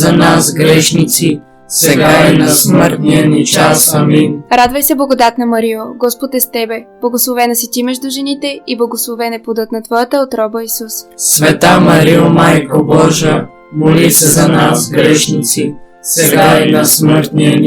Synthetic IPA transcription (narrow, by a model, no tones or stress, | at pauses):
zɐnasɡɾɛʃnit̪si | sɛɡaɛnɐsməɾt̪niɐnit͡ʃasɐminɾad̪vəjsɛblˠɐɡod̪at̪nɐmɐɾioɡɔspot̪ɛst̪ɛbɛb̥lˠɐɡoslˠovɛnɐsit̪imɛʒd̪ʊʒɛnit̪ɛiblˠɐɡoslˠovɛnɛpud̪ət̪nɐt̪vɔjət̪əot̪ɾɔbəisussvɛt̪amɐɾiomajkobɔʒə | molisɛzɐnasɡɾɛʃnit̪si | sɛɡaɛnɐsməɾt̪niən